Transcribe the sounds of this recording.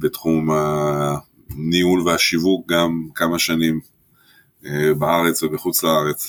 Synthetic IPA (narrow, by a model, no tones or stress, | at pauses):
betχumha | niulveaʃivuk̚ɡamkamaʃanim | ebaaʁet͡svebeχut͡slaaʁet͡s